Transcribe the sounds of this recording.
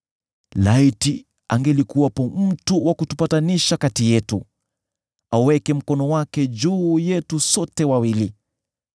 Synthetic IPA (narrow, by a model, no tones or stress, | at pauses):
laiti | aŋɡɛlikuwapɔm̩tuwakutupataniʃakatijɛtu | awɛkɛm̩kɔnɔwakɛd͡ʒuːjɛtusɔtɛwawili